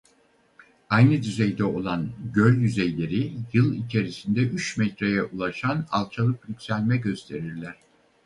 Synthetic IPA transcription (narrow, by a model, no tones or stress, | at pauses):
ajnɯd̪yzɛjd̪ɛo̞lˠanɟølʲjyzejlʲe̞ɾijɯlˠit͡ʃʰe̞ɾisind̪ɛʔyt͡ʃmɛt̪ɾajɛʔulˠaʃana̰lˠt͡ʃʰalˠɯklʲycʲsælʲmɛɟø̞st̪ʰe̞ɾiɾlʲæɾ̥